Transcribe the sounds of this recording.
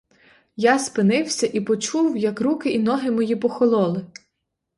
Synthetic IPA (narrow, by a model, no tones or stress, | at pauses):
jɑspɪnɪwsʲɐʔipɔt͡ʃuwjɐkɾukɪʔinɔɦɪmɔjipɔxɔlˠɔlˠɪ